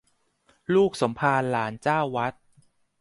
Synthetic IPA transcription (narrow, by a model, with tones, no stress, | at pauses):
luː˥˩k̚so˩˦mpʰaː˧nlaː˩˦nt͡ɕaː˥˩wːa˦˥t̪̚